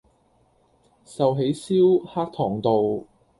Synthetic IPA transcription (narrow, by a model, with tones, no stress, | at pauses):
sɐ˨wɦe˨˥jsiː˥whaː˥k̚t̪ʰɔː˨˩ŋt̪o˨w